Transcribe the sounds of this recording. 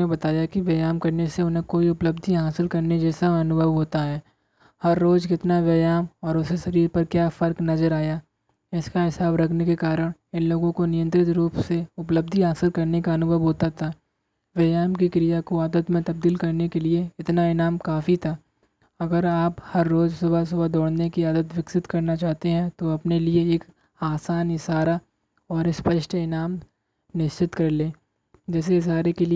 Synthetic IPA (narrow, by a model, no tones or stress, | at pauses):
ẽbɐt̪aːjakiʋeːjaːmkɐɾneseʊnɦẽkoːiʊpləbd̪ʱiɦaːsɪlkɐɾned͡ʒɛːsaɐnʊbʱəʋɦoːt̪aɦɛː | hɐɾːoːd͡ʒkɪt̪naʋeːjaːmɔːɾʊseʃɐɾiːɾpɐɾkjaːfɐɾknɐzəɾaːja | ɪskaɦɪsaːbɾɐkʰnekekaːɾəɽ̃ | ɪ̃nloːɡõkonɪjə̃nt̪ɾɪt̪ɾuːpseʊpləb̚d̪ʱiɦaːsɪlkɐɾnekaɐnʊbʱəʋɦoːt̪at̪ʰaː | ʋeːjaːmkikɾijakoaːd̪ət̪mẽt̪ɐb̚d̪iːlkɐɾnekelieɪt̪naɪnaːmkaːfit̪ʰa | ɐɡəɾaːphɐɾːoːd͡ʒsɐbʱas̬ʊbʱad̪ɔːɽnekiaːd̪ət̪ʋɪksɪt̪kɐɾnat͡ʃaːɦt̪eɦɛ̃t̪oɐpnelieeːk | aːsaːnɪsaːɾa | ɔːɾspɐʃʈɪnaːm | nɪʃt͡ʃɪt̪kɐɾleː | d͡ʒɛːs̬eɪs̬aːɾekeli